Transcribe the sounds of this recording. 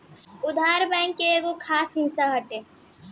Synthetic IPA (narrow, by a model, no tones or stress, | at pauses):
ʊd̪ʱaːɾbɛ̃ŋkːeeːɡokʰaːsɦɪsaɦəʈeː